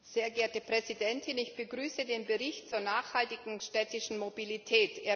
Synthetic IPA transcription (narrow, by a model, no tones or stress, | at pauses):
z̥eːɐɡeːɐtəpʁ̥ɛzidɛntʰɪnɪçb̥əɡʁyːsədeːnbəʁɪçtt͡suːɐnaːxhaltɪɡŋ̩ʃtɛːtɪʃn̩mobilitʰɛːteːɐ